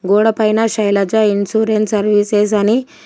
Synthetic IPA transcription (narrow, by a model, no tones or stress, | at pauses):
ɡuːɽɐpɐjnaʃɐjlɐd͡ʒainsuːɾensɐɾʋiːses̬ɐni